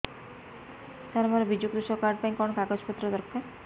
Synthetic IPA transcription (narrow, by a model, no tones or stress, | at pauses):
t̪aɾmɔɾebid͡ʒukɾuʃɔkaɾɖ̚pajkɔɳɔkaɡɔd͡ʒpɔt̪ːɾɔd̪ɔɾkʰːa